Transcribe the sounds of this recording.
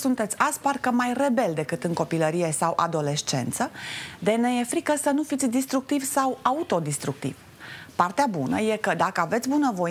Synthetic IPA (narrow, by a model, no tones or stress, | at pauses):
sunt̪e̞t̪sʲasparkəmajre̞be̞ld̪e̞kɨt̪ɨŋko̞piləɾije̞sawʔa̰d̪o̞le̞ʃt͡ʃe̞̰nt̪səd̪enejefɾikəsənufit̪sʲd̪ist̪ɾuk̚t̪ivsawaut̪o̞d̪ist̪ɾuk̚t̪ḭv̥ | part̪eabunə̰je̞kəd̪akəave̞t̪sʲbunəvo̞